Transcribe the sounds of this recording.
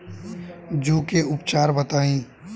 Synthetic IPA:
d͡ʒuːkeʔʊp̚t͡ʃaːɾbət̪aːĩː

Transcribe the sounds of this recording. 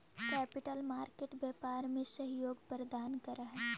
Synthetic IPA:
kɛːpɪʈəlmaːɾkeːʈbjɛːpaːɾmẽsəɦjoːɡpəɾd̪aːnkɐɾaɦɛː

